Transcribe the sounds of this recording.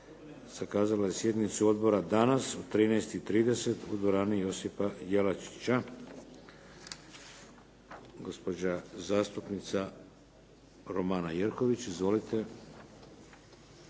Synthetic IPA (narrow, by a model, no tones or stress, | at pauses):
z̥akaːzalajesje̞d̪nit̪suo̞d̪bo̞ɾad̪anasut̪ɾiːnɛjst̪it̪ɾiːd̪e̞se̞t̪ud̪ʋoɾaːnijo̞sipajelat͡ʃi̥t͡ɕa | ɡo̞spo̞d͡ʑazaːst̪upnit̪sa | ɾomaːnajeɾko̞ʋit͡ɕizʋo̞lit̪ʰe̞